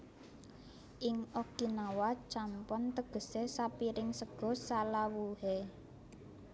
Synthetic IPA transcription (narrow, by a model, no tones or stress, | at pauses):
ʔɪŋʔɔɡ̥inawat͡ʃampɔnt̪əɡ̥ə̤sesapiɾɪŋsəɡ̥ɔ̤salawuhe